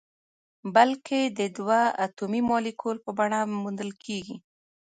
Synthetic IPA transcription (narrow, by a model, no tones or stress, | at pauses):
balkʰed̪əd̪waat̪umimɑlikʰolpəbaɽamund̪əlkʰeɡi